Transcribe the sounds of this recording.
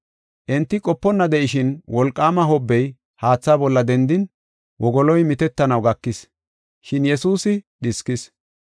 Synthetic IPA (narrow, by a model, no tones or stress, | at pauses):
ʔɛnt̪ːɪkʼɔpːɔnːɐd̪ɛʔɪʃɪnwɔlkʼːaːmɐɦɔbːɛj | haːt͡sːaːbɔlːɐd̪ɛnd̪ɪn | wɔɡɔlɔjmɪt̪ɛt̪ːɐnɐwɡɐkːɪs | ʃɪnjɛsuːsɪɗɪskɪs